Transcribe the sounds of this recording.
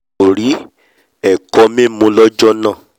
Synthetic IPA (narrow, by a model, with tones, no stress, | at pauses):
o˨ɾi˨˦ | ɛ˨kɔ˨˧mẽ˦mõ˧lɔ˦d͡ʒɔ˦nã˦˨